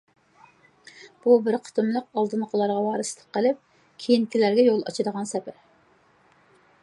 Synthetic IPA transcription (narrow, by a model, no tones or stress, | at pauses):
b̥ubɪɾqʰə̥t̪ʰɨmlˠəqɑlˠd̪ɨnqʰolˠɑɾʁɑwɑːɾɨslˠə̥q̚qːəlˠɪp̚ | kʲʰijinkʲʰilæɾɡʲɛjolˠɑ̰t͡ʃʰɨd̪əʁɑnsɛpʰɛ